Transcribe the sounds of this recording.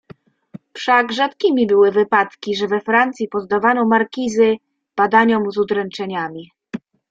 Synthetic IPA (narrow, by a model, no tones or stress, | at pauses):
pʂaɡʐat̪kʲimʲibɘwɘvɘpat̪kʲiʐɛvɛfɾant̪sʲipɔzd̪avanɔmaɾkʲizɘ | b̥ad̪aɲɔmzud̪ɾɛnt͡ʂɛɲamʲi